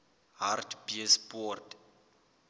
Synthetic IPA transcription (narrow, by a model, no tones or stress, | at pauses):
ɦartbiəspɔrt